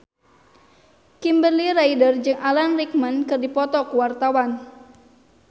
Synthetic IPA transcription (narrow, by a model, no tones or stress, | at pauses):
kimbərliɾaidərd͡ʒɨŋalanrik̚mənkɨrdipɔt̪ɔkuwart̪awan